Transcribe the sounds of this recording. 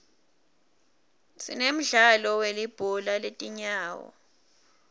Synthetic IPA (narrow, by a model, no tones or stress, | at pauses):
sḭnem̩ɮalɔwelib̥ʱɔlaletʼiɲaːwɔ̰